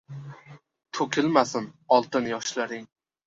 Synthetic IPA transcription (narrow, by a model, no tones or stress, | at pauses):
t̪ʰɵkʲʰɪlmasɪnɒlˠt̪ʰɪnjɒʃlaɾɪŋ